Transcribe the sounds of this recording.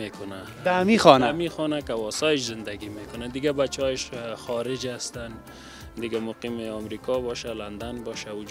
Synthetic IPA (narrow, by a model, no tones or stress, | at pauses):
ekʊna | amixɔnamixɔnakawɔsɔjɪʃzɪnd̪aɡimekʊnad̪ɪɡabat͡ʃɔjɪʃxɔɾɪd͡ʒast̪an | d̪ɪɡamʊqimɪɔmɾikɔbɔʃaland̪anbɔʃawʊd͡ʒ